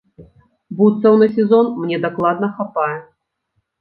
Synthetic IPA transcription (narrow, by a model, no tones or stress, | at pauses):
but̪sɐwnɨs̬ʲɛzɔnmnʲɛd̪aklˠad̪nɐxapajɛ